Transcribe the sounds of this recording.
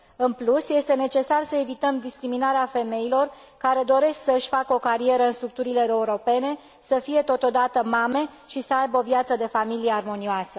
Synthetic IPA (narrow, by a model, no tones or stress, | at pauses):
ɨnplusje̞st̪e̞ne̞t͡ʃe̞sarsəe̞vit̪əmd̪iskɾiminaɾeafe̞me̞ilo̞r | kaɾe̞d̪o̞ɾe̞sksəɨʃʲfakəo̞kaɾie̞ɾəɨnst̪ɾuk̚t̪uɾile̞euɾo̞pe̞ne̞ | səfije̞t̪o̞t̪o̞d̪at̪əmame̞ | ʃisəajbəo̞vjat̪səd̪e̞familijearmo̞nioasə